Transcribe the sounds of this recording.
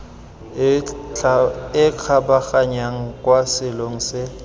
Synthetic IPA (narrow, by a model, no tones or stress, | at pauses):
ɪq͡χʰabaχaɲaŋ̩kʼwasɪloŋ̩sɪ